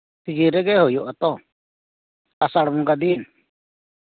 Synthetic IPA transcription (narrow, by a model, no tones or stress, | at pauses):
t̪id͡ʒiɾɛɡɛɦojɔʔat̪ɔ | asaɽmũɡad̪in